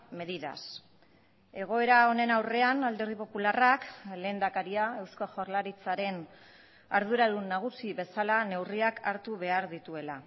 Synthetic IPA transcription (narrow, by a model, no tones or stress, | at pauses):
me̞ðiða̰s | e̞ɣ̞o̞e̞ɾao̞ne̞nawre̞anald̪e̞ɾð̞ipo̞pularakle̞ːnd̪akaɾiae̞wskoʝorlaɾit͡saɾe̞n | aɾð̞uɾaðunːaɣ̞usiβe̞salane̞wriakʰaɾt̪uβ̞e̞aɾðit̪ue̞la